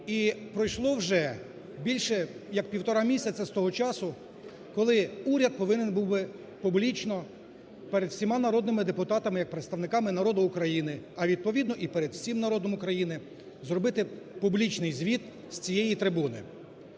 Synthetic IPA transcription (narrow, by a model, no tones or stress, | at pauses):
ipɾɔjʃlˠɔwʒɛ | bʲilʲʃɛjɐk̚pʲiwt̪ɔɾɑmʲisʲɐt͡sʲɐst̪ɔɦɔt͡ʃɑsʊ | kɔlˠɪuɾʲɐd̪̚pɔʋɪnɛnbuwbɪ | publʲit͡ʃnɔ | pɛɾed̪wsʲimɑnɐɾɔd̪nɪmɪd̪epʊt̪ɑt̪ɐmɪjɐk̚pɾet̪st̪ɐʋnɪkɑmɪnɐɾɔd̪ʊʊkɾɐjinɪɐʋʲid̪̚pɔʋʲid̪nɔʔipɛɾed̪wsʲimnɐɾɔd̪ɔmʊkɾɐjinɪ | zrɔbɪt̪ɪpublʲit͡ʃnɪjzʲʋʲit̪̚ | sʲt͡sʲijɛjit̪ɾɪbunɪ̰